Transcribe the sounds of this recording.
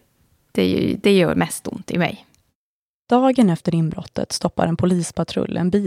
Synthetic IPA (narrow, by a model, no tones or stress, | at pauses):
d̪̥ɛj̰d̪ɛjœːɾmɛst̪ʊ̰mt̪ɪmɛ̰j | d̪̥ɑːɡənɛft̪əɾɪnbɾɔ̰t̪ʰːə̰t̪st̪ɔpːa̰ɾɛnpʰʊliːspʰat̪ʰɾɵ̰lːɛ̰nbiː